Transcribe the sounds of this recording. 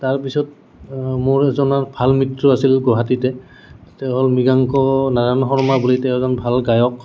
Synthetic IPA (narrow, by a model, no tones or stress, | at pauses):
taɹpisɔt̚ | moɹɛzɔnaɹbʱalmitɹɔasilɡɔɦatitɛ | tḁtɛɦɔlmiɡaŋkɔnaɹanɔɦɔɹmabulitɛwɛzɔnbʱalɡajɔk̚